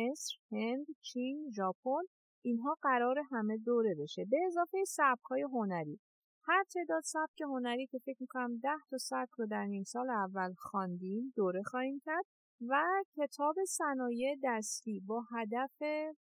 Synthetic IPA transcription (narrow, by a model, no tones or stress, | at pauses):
esɾhend̪t͡ʃʰinʒɒːpʰon | inɦɒːɢæɾɒːɾe̞ɦæme̞d̪oːɾe̞be̞ʃe̞be̞ːzɒːfejsæb̚hɒːje̞ɦo̞næɾiː | hæɾt̪ʰe̞ːd̪ɒːd̪sæb̚cʰe̞ho̞næɾiːcʰe̞fe̞cʰmikʰonæmd̪æht̪ʰɒsæb̚cʰɾod̪æɾniːmsɒːleævːælxɒnd̪iːmd̪oːɾe̞xɒːhiːmcʰæɾd̪̥̚ | væcʰe̞t̪ʰɒːbe̞sænɒːjed̪æst̪iːbɒːɦæd̪æfe